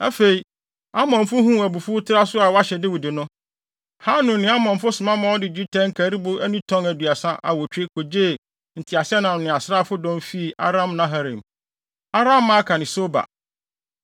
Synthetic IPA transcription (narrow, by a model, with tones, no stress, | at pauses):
æ˦fe˨i˨ | a˦mɔ̃˨nfʊ˦ɦũ˦˨æ˨bu˨fu˦tʰɪ˦ɾa˦sʊ˦a˨wa˦ɕɛ˨dɪ˦wɪ˨dɪ˨nʊ̃˦ | ha˦nʊ̃˨n˨nɪ̃˨˦a˦mɔ̃˨n˨fʊ˦sʊ̃˨mã˦mã˦ɔ˦dɪ˨d͡ʑᶣi˦tʰɛ̃˦ŋ̩˦kʰæ˨˦ɾi˦bʊ˦æ˦nũ˦tʰɔ̃˦ŋæ˨du˨a˨sã˦ʔa̰˨wɔ˨t͡ɕᶣe˦kʰo˨d͡ʑeː˦˨ | n̩˨tʰi˨a˨sɛ˦nã˨nʊ̃˨a˨sɾaː˦fʊ˦dɔ̃˦mfi˦˨ʔa̰˦ɾã˦mnã˦ɦa˨ɾḭ̃˨m | a˦ɾã˦mːã˦kʰa˨nɪ̃˨so˦ba̰˨